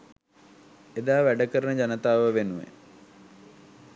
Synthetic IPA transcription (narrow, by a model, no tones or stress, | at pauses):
ed̪aːʋæɖəkəɾənəd͡ʑanət̪aːʋəʋenuʋḛ